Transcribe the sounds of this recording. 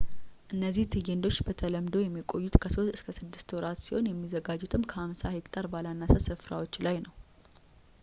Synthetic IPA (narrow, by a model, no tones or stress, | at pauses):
ʔɨnːəzːiht̪ʰɨjend̪o̞t͡ʃːbət̪ʰələmd̪o̞jɛmːikʼo̞jːut̪kʰəso̞st̪ɨskʰəsɨd̪ːɨ̥st̪wɔɾat̪siho̞njɛmːizəɡad͡ʒːut̪ʰɨmkʰəhamsahe̞kʼt̪ʼaɾbalanːasasɨfɾa̰wo̞t͡ʃːlajnəw